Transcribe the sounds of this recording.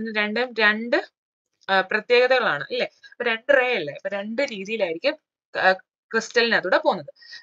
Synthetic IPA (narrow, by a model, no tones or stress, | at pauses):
nːɨɾe̞ɳɖɐmɾe̞ɳɖɨ | prɐt̪je̞ːɣɐðɐɣɐɭaːɳɨʔɐlːe̞poɾe̞ɳɖɨreːjilːepːoɾe̞ɳɖɨɾiːðijilaːjiɾikʲːum | kristɐlnɐðuːɽepo̞ːnːɐðɨ